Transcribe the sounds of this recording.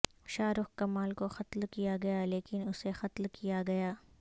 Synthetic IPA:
ʃaːɾʊxkɐmaːlkoxɐt̪lkijaɡɐjaleːkɪnʊsexɐt̪lkijaɡɐjaː

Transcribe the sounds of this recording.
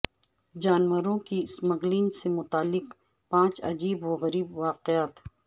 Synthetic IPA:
d͡ʒaːnwəɾõkiɪsmɐɣliːnsemʊt̪aːlːɪq | pãːt͡ʃɐ̰d͡ʒiːboɣɐɾiːbʋaːqɪjaːt̪

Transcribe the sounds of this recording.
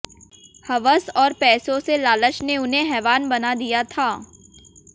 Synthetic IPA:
hɐʋəsɔːɾpɛːsõselaːləʃneʊnɦẽɦɛːʋaːnbɐnad̪ijat̪ʰaː

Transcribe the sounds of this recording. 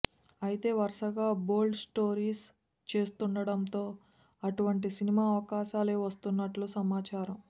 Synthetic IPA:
ɐjit̪e̞ːʋɐɾʂɐɡaːbo̞ːlɖsʈo̞ːɾiːs | t͡ʃe̞ːst̪uɳɖɐɽɐnt̪o̞ː | ɐʈuʋɐɳʈ̬isinimaːɐʋɐkaːʃaːleːʋɐst̪unːɐʈlusɐmaːt͡ʃaːɾɐm

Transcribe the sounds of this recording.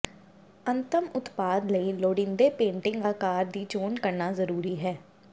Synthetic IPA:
ənt̪əmʊt̪paːd̪ləiːloːɽɪ̃nd̪eːpẽːɳʈɪ̃ŋɡaːkaːɾd̪iːt͡ʃoːnkəɾnaːzəɾuːɾiːɦɛː

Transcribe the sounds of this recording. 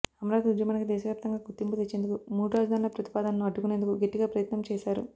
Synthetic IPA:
ɐmɐɾaːd̪ud͡ʒ̪jɐmɐːnɐkid̪ɛːʃɐʋjaːp̚t̪ɐŋɡaːɡut̪ːimput̪et͡ʃːeːnd̪ukumuːɽuɾaːd͡ʒɐd̪ʱaːnulɐpɾɐt̪i̥paːd̪ɐnɐnuɐɖːukune̞ːnd̪ukuɡeʈːiɡaːpɾɐjɐt̪nɐmt͡ʃɛːʃaːɾṵ

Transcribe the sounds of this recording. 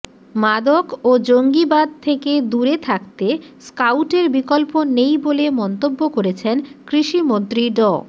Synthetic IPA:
mad̪okod͡ʑoŋɡibad̪̚t̪ʰeked̪uɾet̪ʰak̚t̪eskawʈeɾbikɔlponejbolemɔnt̪obːokoɾet͡ɕʰenkɾiʃimont̪ɾiɖɔ

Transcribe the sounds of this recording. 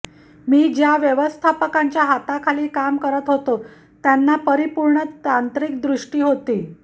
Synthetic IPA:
miːd͡ʑjaʋjəʋəst̪ʰapəkaɲt͡ɕjaɦat̪akʰaliːkamkəɾət̪ɦot̪o | t̪janːapəɾipuɾɳət̪ant̪ɾikd̪ɾuʂʈiːɦot̪iː

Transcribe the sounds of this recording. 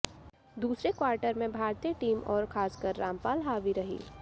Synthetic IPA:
d̪uːsɾekwaːɾʈəɾmẽbʱaːɾt̪ijəʈiːmʔɔːɾxʰaːskəɾːãːmpaːlɦaːʋiɾɐɦḭː

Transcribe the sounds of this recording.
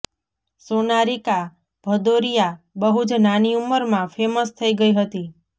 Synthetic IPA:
sonaɾika | b̥ʱəd̪oɾija | bəɦut͡ʃnaniuməɾmãfʰeməst̪ʰəiɡəiɦət̪i

